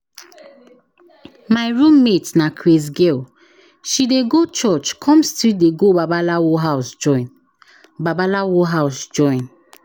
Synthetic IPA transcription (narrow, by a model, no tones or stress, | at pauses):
maɪɹũmːetnakʰɹis̬ɡel | ʃideɡot͡ʃɔt͡ʃkʰɔ̃mstideɡobabalawoɦaʊsd͡ʒɔɪn | babalawɔɦaʊsd͡ʒɔ̃ɪ̃n